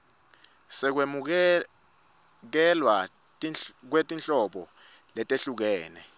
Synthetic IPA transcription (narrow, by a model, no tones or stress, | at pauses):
sɛk̬wemuk̬ɛ | k̬ɛlwa | k̬wetʼint͡ɬʼɔɓɔ̰ | lɛtʼeɬuk̬ɛːnɛ